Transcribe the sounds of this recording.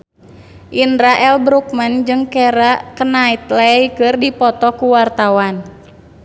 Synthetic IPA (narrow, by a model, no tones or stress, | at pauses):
ʔindɾaʔɛlbɾuk̚mand͡ʒɨŋkɛɾaʔkənait̪̚laikɨrdipɔt̪ɔkuwart̪awan